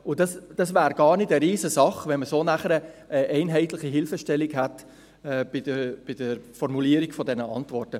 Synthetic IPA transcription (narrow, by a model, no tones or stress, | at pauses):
ʊdɑsd̥ɑsvæːɾɡɑːɾnɪdəɾiːzəsɑχvɛnməsoːnæχəɾəəʔɛɪnɦɛɪtlɪχiɦɪlfəʃtɛlːiɡhat | ɛːb̥ɪdəb̥ɪd̥əɾfɔɾmuliːəɾiɡfɔdɛnəɑ̰ntvɔrtə